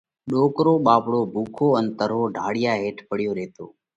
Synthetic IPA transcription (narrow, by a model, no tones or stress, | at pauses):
ɗoːkɾoːɓaːpɽoːbʱuːkʰoːənt̪əɾɦoːɖʱaːɽɪjaːɦeːʈʰpəɽɪjoːɾeːt̪ʰo̰ː